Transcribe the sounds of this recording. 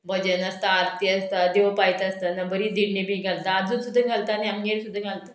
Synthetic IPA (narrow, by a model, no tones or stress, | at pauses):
bʱəd͡ʑənəst̪aːɾt̪iəst̪ad̪eʋpajt̪əst̪ənabʱəɾiːd̪iɽnibʱiɡʱalt̪aad͡zusud̪ʱːəɡʱalt̪aniamɡeɽsud̪ʱːəɡʱalt̪ə